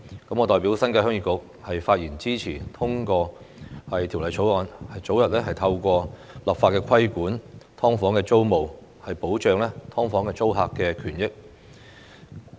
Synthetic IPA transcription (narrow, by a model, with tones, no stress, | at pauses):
kɐ˨˥mŋɔː˨˧t̪ɔː˨jpiː˨˥wsɐ˥nkaː˧hœː˥ŋjiː˧kʊ˨k̚ | hɐ˨jfaː˧t̚jiː˨˩nt͡siː˥t͡sʰiː˨˩t̪ʰʊ˥ŋkɔː˧ | hɐ˨jt̪ʰi˨˩wlɐ˨˧jt͡sʰo˨˥wɔː˨˧nhɐ˨jt͡so˨˥wjɐ˨t̚lɛː˥ɦɐ˨jt̪ʰɐ˧wkʷɔː˧ | lɐ˨pfaː˧tkɛː˧kʰɐ˥jkuː˨˥nt̪ʰɔː˥ŋfɔː˨˥ŋkɛː˧t͡so˥wmo˨w | hɐ˨jpo˨˥wt͡ʃœː˨˧ŋlɛː˥t̪ʰɔː˥ŋfɔː˨˥ŋkɛː˧t͡so˥wɦaː˧kkːɛː˧kʰyː˨˩njɪ˥k̚